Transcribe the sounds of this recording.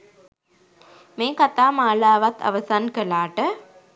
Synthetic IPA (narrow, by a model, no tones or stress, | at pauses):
meːkat̪aːmaːlaːʋat̪ʰɐ̰ʋəsankəlaːʈə